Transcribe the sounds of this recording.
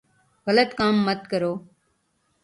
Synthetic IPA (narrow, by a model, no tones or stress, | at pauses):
ɣələt̪kaːmːət̪̚kəɾoː